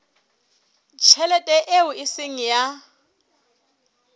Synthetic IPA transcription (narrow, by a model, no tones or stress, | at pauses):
t͡ʃʰɛlɛtʼɛʔeʊɪsɪŋ̩ja